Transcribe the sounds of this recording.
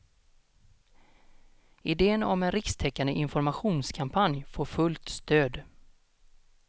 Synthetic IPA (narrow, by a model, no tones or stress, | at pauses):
ɪd̪eːənɔ̰mɛnɾɪkst̪ʰɛkːand̪əʔɪnfɔɾmaɧuːnskʰampʰanjfoːɾfɵlt̪st̪øːd̪